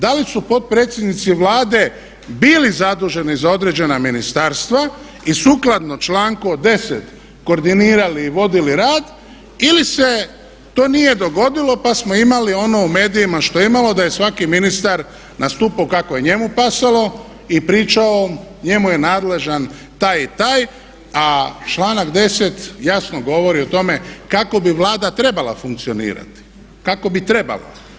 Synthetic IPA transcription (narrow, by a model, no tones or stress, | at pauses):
d̪alisupo̞t̪̚pɾe̞ːt̪sje̞d̪nit̪siʋlaːd̪e̞ | bilizad̪uʒe̞nizao̞d̪ɾe̞d͡ʒe̞naminist̪aːɾst̪ʋa | isuklad̪not͡ʃlaːŋkod̪e̞set̪ | ko̞ːɾd̪iniːɾaliːʋo̞d̪iliɾaːd̪ | ilise̞ | t̪o̞ːnije̞d̪o̞ɡo̞d̪ilˠo̞pasmo̞imalio̞no̞ume̞ːd̪ijimaʃt̪o̞eimalo̞d̪ajesʋakiminist̪aɾ | nʔast̪uːpaokakoje̞ɲe̞mupasalo̞ | ipɾiːt͡ʃao̞ɲe̞muje̞naːd̪le̞ʒan | t̪aːjit̪aːj | at͡ʃlaːnakd̪e̞set̪jasnoɡo̞ʋo̞ɾio̞t̪o̞me̞kako̞biʋlaːd̪at̪ɾe̞balˠa̰fuŋk̚t̪sio̞nḭːɾa̰t̪i̥ | kako̞bit̪ɾe̞ba̰la̰